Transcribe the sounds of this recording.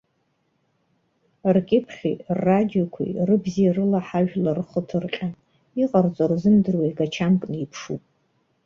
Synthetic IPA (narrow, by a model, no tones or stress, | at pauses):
rkʲʼɪpʰχʲḭrːadijokʷʰḭrɨbzirɨlaħaʒᶣlarχətʰɨrqʲʼa | iqʼart͡sʷʼorzɨmdɨrwaiɡat͡ʃʰamkʼniipʰʂupʼ